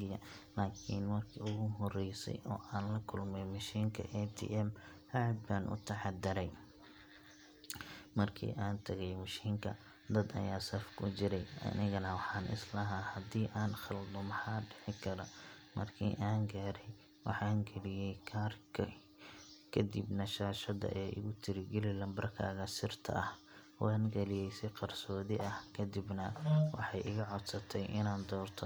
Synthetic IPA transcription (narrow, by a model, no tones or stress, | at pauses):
ɪjɐlaːkʰḭːnmɐrkʰiːʊɣʊɦɔrɛjsɛ̰jʔɔ̰ːʔaːnlɐkʰʊlmɛjmɐʃiːŋkʰɐ̰ʔɛt̪ʰḭːʔɛmhaʕd̪̚baːnʔʊ̰t̪ʰɐʕɑd̪ɪɾɛj | mɐrkʰḭːʔaːnt̪ʰɐɣɛjmɐʃiːŋkʰɐ | d̪ɐd̪ɐ̰jaːsɐfkʰʊt͡ʃɪɾɛjʔɐ̰nɪɣɐnɐwɑħɑːnʔɪ̰slɐɦahɐd̪iːʔaːnxɑld̪ɔmɑħɑːɖɛħɪkʰɐɾɔmɐrkʰḭːʔaːŋɡaːɾɛj | wɑħɑːŋɡɐlɪjɛjkʰaːrkʰɐ | kʰɐd̪ḭbnɐʃaːʃɐd̪ɐ̰ʔɛːʔɪ̰ɣʊt̪ʰɪɾɪɡɛlɪlɐmbɐrkʰa̰ːɣɐsɪrt̪ʰɐ̰ʔɐh | wɑːnɡɐlɪjɛjsɪqɑrsɔːðɪʔɐhkʰɐd̪ɪbnɐwɑ̰ħɑjʔɪɣɐʕɔd̪sɐt̪ʰɛjʔɪnaːnd̪ɔːrt̪ʰɔ